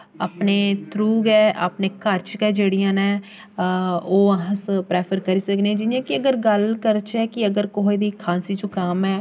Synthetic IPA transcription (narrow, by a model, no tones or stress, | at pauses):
aːpneːt̪ʰɾuːɡɛːʔa̰ːpneːkəɾt͡ʃkɛːd͡ʒeːɽiːãːnɛ̃ː | oːəɦspɾɛːpʰəɾkəɾiːsəkneːd͡ʒɪnjãːkɪəɡəɾɡəlkəɾt͡ʃɛːkɪəɡəɾkoɦeːd̪iːkʰãːnsiːt͡ʃõːkamɛː